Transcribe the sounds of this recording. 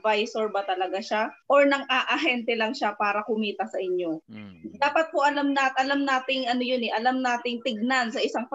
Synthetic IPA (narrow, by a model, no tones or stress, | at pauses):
vajsoɹbɐt̪ɐlɐɡaʃaʔoɹnɐŋʔaːʔɐɦɛnt̪ɛlɐŋʃapaːɾɐkʊmiːt̪ɐsɐʔɪɲjo̞d̪aːpɐt̪̚hoʔɐlamnat̪ʔɐlamnaːt̪ɪŋʔɐnojʊnɛʔɐlamnaːt̪ɪŋt̪ɪɡ̚nansɐʔɪsaŋp